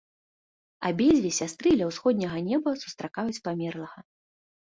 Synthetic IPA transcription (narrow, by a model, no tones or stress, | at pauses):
a̰bʲɛd͡zʲvʲisʲast̪ɾɨdlʲɛɐwsxɔd̪̚ʲnʲɐɣɐnʲɛbɐsu̥st̪ɾakajut͡sʲpamʲɛrlˠɐɣɐ